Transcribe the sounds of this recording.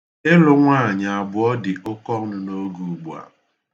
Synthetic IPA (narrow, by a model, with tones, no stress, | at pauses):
ɪ˦lʊ˦ŋʷa˦˨ɲa˨a˨bʊ˨ɔ˦dɪ˨ʔʊ˦kɔ˦ŋ̩˦nʊ˦no˦ɡu˨ɡ͡bu˨a̰˨